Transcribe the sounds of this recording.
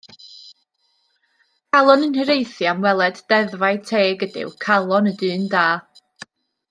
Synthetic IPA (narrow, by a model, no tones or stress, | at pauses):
kʰalˠɔnənhəɾejθjamwɛlˠɛdd̥ɛðvajtʰeːɡədɪ̰wkʰalˠɔnədɨːndaː